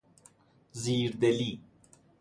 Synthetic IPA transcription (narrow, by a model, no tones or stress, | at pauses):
ziːɾd̪eli